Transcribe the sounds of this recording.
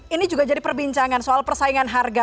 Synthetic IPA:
inid͡ʒuɡad͡ʒadipərbiɲt͡ʃaŋansoʔalpərsaiŋanɦarɡa

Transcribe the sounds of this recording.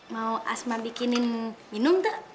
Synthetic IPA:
mauʔa̰smabikininminʊmt̪ə

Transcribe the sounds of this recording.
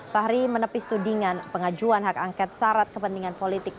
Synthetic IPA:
t̪aɦɾimənəpist̪udiŋanpəŋad͡ʒuanɦakaŋkɛt̪̚saɾat̪̚kəpənt̪iŋanpolit̪ɪk̚

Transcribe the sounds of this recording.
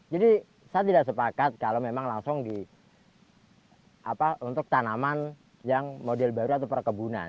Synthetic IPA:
d͡ʒadi | sajat̪idaʔsəpakat̪̚kalomemaŋlaŋsʊŋdi | a̰paʔunt̪ʊk̚t̪anaman | jaŋmodɛlbaɾuat̪awpərkəbuna̰n

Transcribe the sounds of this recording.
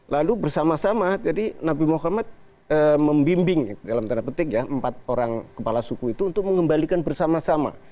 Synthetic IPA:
lalubərsamasamad͡ʒadinabimoɦamat̪̚ | əməmbimbɪŋdalamt̪anapət̪ɪkjaəmpat̪̚oɾaŋkəpalasukuit̪uːnt̪ʊk̚məŋəmbalikanbərsamasama̰

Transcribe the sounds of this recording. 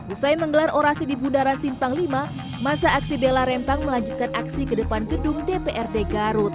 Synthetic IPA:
usajməŋɡəlaroɾasidibundaɾansimpaŋlima | masaːksibelaɾɛmpaŋməlaɲd͡ʒut̪̚kanʔaksikədəpanɡədʊŋdepeʔɛrdeɡaɾʊt̪̚

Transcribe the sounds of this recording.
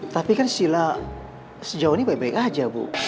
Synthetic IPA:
t̪apikansila | səd͡ʒaonibaik̚baɪkad͡ʒabṵ

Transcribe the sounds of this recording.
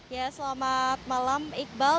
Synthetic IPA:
jasəlamat̪̚malamik̚bal

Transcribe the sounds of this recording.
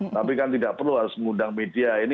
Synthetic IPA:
t̪apikant̪idaʔpərluɦaɾʊsməŋudaŋmediaini

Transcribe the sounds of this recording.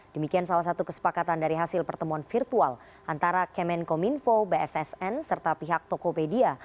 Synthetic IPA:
dəmikiansalahs̬at̪ukə̥sə̥pakat̪andaɾiɦasɪlpərt̪əmuanfirt̪ual | ʔant̪aɾakɛmɛnkominfobeɛsɛsɛnsərt̪apiɦak̚t̪okopedia

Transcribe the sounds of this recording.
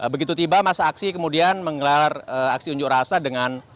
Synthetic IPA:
ʔəbəɡit̪ut̪ibamasaːksikəmudianməŋəlarəak̚siuɲd͡ʒʊk̚rasadəŋan

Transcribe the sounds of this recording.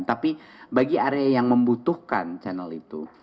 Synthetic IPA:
nt̪apibaɡiaɾeajaŋməmbut̪uhkant͡ʃanalit̪ṵ

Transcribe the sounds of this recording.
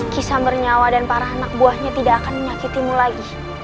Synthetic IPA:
kisambərɲawadanpaɾaːnak̚buahɲat̪idaːkanməɲakit̪imulaɡi

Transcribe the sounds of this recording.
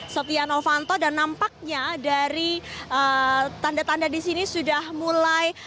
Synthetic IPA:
sot̪ianofant̪odanːampak̚ɲadaɾiʔət̪andat̪andadisinisudahmulaj

